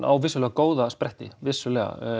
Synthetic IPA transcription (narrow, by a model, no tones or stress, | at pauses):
nʔa̰wvɪsʏlɛɣakoːwðaspɾɛht̪ɪvɪsːʏlɛɣa̰